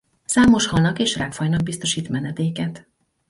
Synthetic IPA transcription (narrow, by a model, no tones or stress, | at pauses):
saːmo̞ʃhɒlnɒkeːʃraːkfɒjnɒɡ̚bist̪o̞ʃiːt̪mɛnɛd̪eːkɛt̪